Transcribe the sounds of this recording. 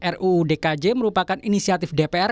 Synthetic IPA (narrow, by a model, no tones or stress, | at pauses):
ʔɛruːdekad͡ʒeməɾupakaninisiat̪ɪfdepeɛr